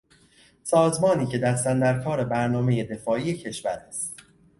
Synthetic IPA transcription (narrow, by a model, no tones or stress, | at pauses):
sɒːzmɒːniːcʰe̞d̪æɾsænd̪æɾkʰɒːɾe̞bæɾnɒːme̞je̞d̪e̞fɒːiːjecʰe̞ʃvæɾæst̪